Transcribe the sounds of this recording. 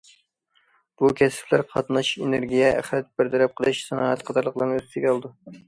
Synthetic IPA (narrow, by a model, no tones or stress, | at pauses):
b̥ukʲʰɛsɪ̥plæɾqʰɑt̪nɑʃeneɾɡʲijɛæ̰χɾɛt̪̚bɪɾt̪ʰɛɾɛp̚qʰəlˠɨʃsɨnɑːɛt̪qʰɑd̪ɑɾlˠəqlˠɑɾnɨzt̪ʰɪɡʲlˠɨd̪u